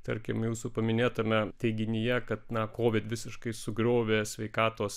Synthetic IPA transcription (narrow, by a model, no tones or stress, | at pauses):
t̪ɐɾʲkʲɪmjuːsupɐmʲɪnʲeːt̪ɐmʲɛt̪ʲɛɪɡʲɪnʲɪjɛkɐt̪nɐkoːʋʲɪt̪ʋʲɪsʲɪʃkɐɪsʊɡɾʲoːʋʲeːsʲʋʲɛɪkɑːt̪oːs